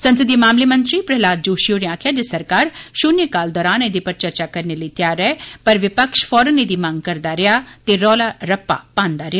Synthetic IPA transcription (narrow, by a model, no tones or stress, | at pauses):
sɐ̃nsəd̪imaːmlemɐ̃nt̪ɾipɾɐɦlaːd̪̚d͡ʒoːʃijoɾeaːkʰjad͡ʒesɐɾkaːɾʃʊːnekaːld̪ɔːɾaːned̪ipɐɾt͡ʃɐɾt͡ʃakɐɾnelɐit̪jaːɾːɛpɐɾʋɪpəkʃfʰɔːɾəned̪imãːŋɡ̚kɐɾd̪aɾɪjat̪eɾɔːlaɾɐpːa̰pãːnd̪aɾɪjaː